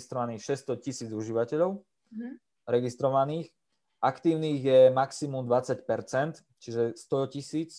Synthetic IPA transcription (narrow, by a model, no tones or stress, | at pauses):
st̪ɾɔʋaniːxʃɛst̪ɔcisiːd͡zuʒiʋacɛʎɔʊ | ɾɛɡist̪ɾɔʋaniːx | ʔakt̪iːʊniːɣjɛmaksimumd̪ʋat͡sacpɛɾt͡sɛnt̪ | t͡ʃiʒɛst̪ɔcisiːt͡s